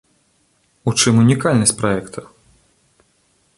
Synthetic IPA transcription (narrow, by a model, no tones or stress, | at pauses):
ut͡ʂɨmunʲikalʲnɐsʲpɾaɛkt̪ʰɐ